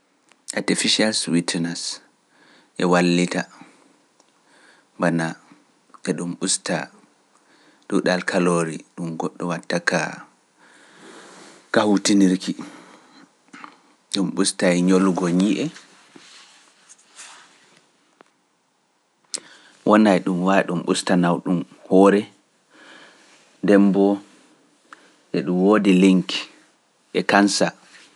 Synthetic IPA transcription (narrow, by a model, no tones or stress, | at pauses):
ʔatɛfiʃaɾswitʰnɛs | ʔɛwalːita | mbana | ɛɗumɓusta̰ | ɗuɗalkʰaloɾiɗumɡɔɗːɔwatːaka̰ | kahutiniɾki | ɗumɓustajɲolɡɔɲiʔɛ | wʔɔnajɗumwaɗumɓṵstanawɗum | hɔːɾɛ | dɛmbɔ | ʔɛɗumwodiliŋk | ʔɛkansa